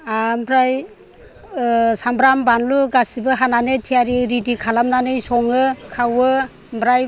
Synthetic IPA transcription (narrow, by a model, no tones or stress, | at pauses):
ambɾaj | sambɾambanluɡasibɯɦananetʰijaɾiɾidikʰalamnanɯjsɔŋɯkʰawɯ | mbɾaj